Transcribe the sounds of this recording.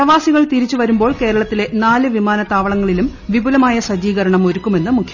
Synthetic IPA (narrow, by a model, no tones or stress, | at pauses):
prɐʋaːsiɣɐɭt̪iɾit͡ɕːuʋɐɾumbo̞ːɭke̞ːɾɐɭɐt̪ːile̞naːlɨʋimaːnɐt̪ːaːʋɐɭɐŋːɐɭilumʋibulɐmaːjɐsɐd͡ʑiːɣɐɾɐɳɐmo̞ɾukːume̞nːɨmukʰjɐ